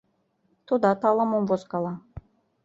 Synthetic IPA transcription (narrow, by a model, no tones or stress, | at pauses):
t̪ud̪ɑt̪ɑlˠɑmomvosqɑlˠɑ